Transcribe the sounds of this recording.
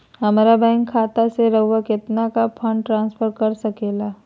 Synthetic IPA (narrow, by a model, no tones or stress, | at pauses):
ɦɐmɾabɛ̃ːŋkʰːaːt̪aseɾɐɦuwakɪt̪nakapʰə̃ɳɖʈɾãːnspʰəɾkɐɾsɐkeːlaː